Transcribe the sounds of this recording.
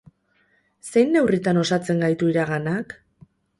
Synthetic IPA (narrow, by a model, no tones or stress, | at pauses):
se̞jnːe̞writ̪ano̞sat͡se̞ŋɡajt̪uiɾaɣanak